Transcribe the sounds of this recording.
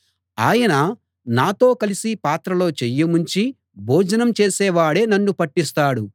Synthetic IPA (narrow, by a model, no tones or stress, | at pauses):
aːjɐnɐ | naːt̪o̞ːkɐlisipaːt̪ɾɐlo̞ːt͡ʃejːɐmuɲt͡ʃi | bʱoːd͡ʒɐnɐmt͡ʃeːsɛːʋaːɽe̞ːnɐnːupɐʈːist̪aːɽu